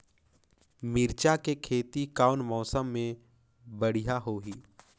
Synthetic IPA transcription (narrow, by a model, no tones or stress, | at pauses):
mɪɾt͡ʃakekʰeːt̪ikaːʊnmɔːsəmːẽ | bəɽijaɦoːɦiː